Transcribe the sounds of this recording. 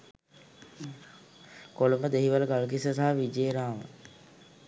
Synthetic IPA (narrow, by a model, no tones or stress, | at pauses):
koluməd̪eɦiʋələɡalk̬isəs̬aɦaʋid͡ʒeːɾaːʋə̰